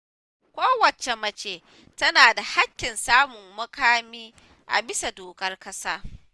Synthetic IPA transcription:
kʷoː˦wɐ˨t͡ʃe˨mɐ˦t͡ʃeː˨ | tɐ˦naː˨da˨ha˦kʲːɪ˨nsaː˦mʊ˨ŋːɐ˦kaː˦miː˦ | ʔa̰˨bɪ˦sa˨doː˨kɐ˦rkɐ˦saː˦

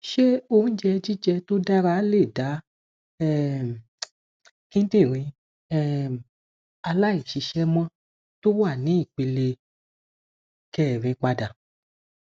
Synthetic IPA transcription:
ʃe˦o˧ñ̩˦d͡ʒɛ˧d͡ʒi˦d͡ʒɛ˧to˦da˦ɾa˦le˦˨da˨˦ | ɛ˦˨ | kĩ˦n̩˦te˦˨ɾ̃ĩ˧ | ɛ˦˨ | a˧la˦i˦˨ʃi˨˧˦ʃɛ˦mã˦ | to˦wa˦˨nĩ˨˦i˦˨k͡pe˧le˧ | kɛː˨ɾ̃ĩ˧k͡pa˧da˨

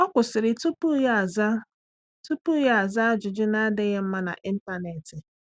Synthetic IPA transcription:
ɔ˦kʷʊ˨sɪ˨ɾɪ˨tu˦pu˦jza˦ | tu˦pu˦ɣe˦a˨za˦d͡ʒʊ˨d͡ʒɪ˦na˦dɪ˦ɣe˦m̩˦ma˦na̰˨ʔi˦n̩˦ta˦ne˨tɪ˨

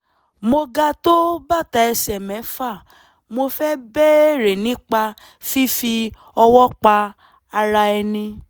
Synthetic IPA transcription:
mo˧ɡa˧to˦ba˦˨ta˧ɛ˧sɛ˨mɛ̃˨˦fa˦˨ | mo˧fɛ˦bɛ˦˨ɾe˨nĩ˨˦k͡pa˧ | fi˦fi˧ | ɔ˧wɔ˦k͡pa˧ | a˧ɾa˧ɛ˧nĩ˧

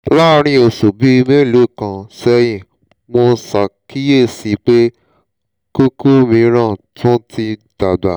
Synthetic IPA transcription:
la˦ɾ̃ĩ˧o˨so˨bi˨˦i˧mẽ˦˨lo˨˦˨kã˧sɛ˧jĩ˨ | mo˧˦sa˨ki˦je˦˨si˨˦k͡pe˦ | ku˦ku˦mĩ˧˦ɾ̃ã˦˨tʰũ˦ti˧d̥a˨da˨

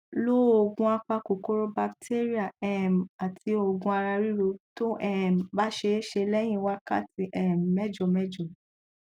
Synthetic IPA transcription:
lo˦o˧˨ɡũ˧a˧k͡pa˧ko˨ko˦ɾo˦ba˧ktʰe˦ɾi˦a˨ɛ˨m̩˨a˨ti˧˦o˧ɡũ˧a˧ɾa˧ɾi˦ɾo˧to˦ʔɛ˦˨m̩˨ba˦ʃe˧˦ʃe˧lɛ˦j̃ĩ˦wa˦ka̰˦˨ti˧ʔɛ˦˨m˨mɛ˦d͡ʒɔ˨mɛ˦d͡ʒɔ˨

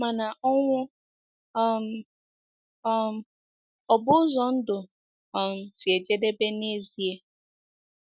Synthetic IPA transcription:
ma˨na˨ʔɔ˦ŋʷʊ˦ | m˦ | ɔ˨bʊ˦zɔ˨n̩˦dʊ˨ | m̩˨si˨e˨d͡ʒe˦de˦be˦ne˦zi˨˦e˦

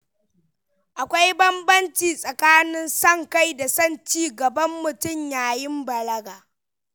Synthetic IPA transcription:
ʔa˨kʷa˦jbɐ˦mbɐ˦nt͡ʃiː˨sʼɐ˨kaː˦nɪ˦nsɐ˦ŋka˦jda˨sɐ˦˨nt͡ʃiː˦ɡɐ˨bɐ˦mːʊ˨tʊ˦˨mjaː˨jɪ˦mbɐ˨lɐ˦ɡaː˨

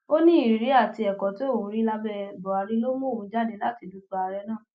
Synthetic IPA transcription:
o˦nĩ˦i˨ɾi˨˦a˦˨ti˧ɛ˨kɔ̃˨to˦˨wũ˨˦ɾi˦la˧bɛ˧˨bɔ˨a˨˧ɾi˦lo˦mũ˦o˦˨ũ˧˦d͡ʒa˦˨de˧˦la˦ti˧du˧˦tu˧˦a˧ɾɛ˧˦nãː˦˨

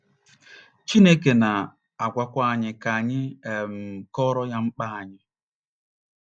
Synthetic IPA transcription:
t͡ʃi˦ne˦k̬e˨na˨ | a˨ɡʷa˨kʷa˦a˨ɲɪ˨ka˨ɲɪ˦e˨m̩˨kɔ˦ɾɔ˦ja˦ŋ͡m̩˦k͡pa˦a˨ɲɪ˦

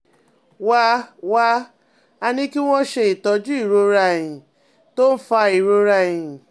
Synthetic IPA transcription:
wa˦wa˦ | a˧nĩ˧ki˦w̃ɔ̃˦ʃe˧i˨tɔ˨˧d͡ʒu˦i˦˨ɾo˧ɾa˧˨jĩ˨ | to˦n̩˦fa˧i˨ɾo˧ɾa˧˨jĩ˨

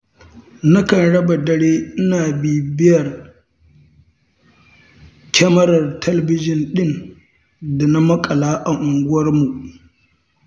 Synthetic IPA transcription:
na˦kɐ˨nɽɐ˦ba˨dɐ˦ɽeː˦ʔɪ˦naː˨biː˨bɪ˦jɐ˨r | kʲɛ˦mɐ˦ɾɐ˨rtʰɐ˦lɐ˨bɪ˦d͡ʒɪ˨nɗɪ˦n | da˨na˦mɐ˦kʼɐ˨laː˦ʔa˨ŋʔʊ˨ŋɡʷʊ˦wɐ˦rmu˨ʔ

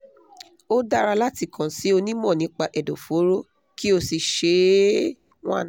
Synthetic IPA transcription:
o˦da˦ɾa˧la˦ti˦˨kã˨si˨˦o˧nĩ˦mɔ̃˦˨nĩ˨˦k͡pa˧ʔɛ˨do˨fo˨˦ɾo˦ | ki˦o˧si˧ʃe˧˦ | w̃ã̰˦˨n˨

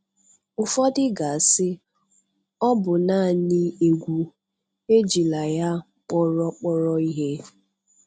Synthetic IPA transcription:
ʊ˨fɔ˦dɪ˦ɡa˨sɪ˦ | ɔ˦bʊ˨na˦˨nɪ˦e˨ɡʷu˨ | e˦d͡ʒi˨la˨ja˦ | k͡pɔ˦ɾɔ˦k͡pɔ˦ɾɔ˦i˦ɦe˦

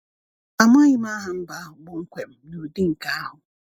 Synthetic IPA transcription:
a˨m˦a˦ɲi˦m˦a˦ɦa˨m̩˦ba˦ɦʊ˨ɡ͡bʊ˦ŋ̩˦kʷe˨m̩˦nu˨di˦ŋ̩˨ka˦a˦ɦʊ˨

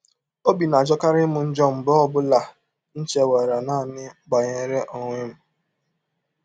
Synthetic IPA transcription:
o˦bi˨na˨d͡ʒɔ˦ka˦ɾɪ˦mʊ˨n̩˦d͡ʒɔ˦m̩˨bɔ˦ɔ˦bʊ˦la˨ | n̩˦t͡ʃe˨we˨ɾa˨na˦˨nɪ˦ɡ͡ba˨ɲe˦ɾe˦ʔo˨ŋʷɪ˦m̩˦

